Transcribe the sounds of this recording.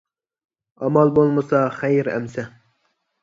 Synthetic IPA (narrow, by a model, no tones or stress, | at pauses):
ɑmɑlˠbolˠmɨsɑχæjɾæ̰msɛ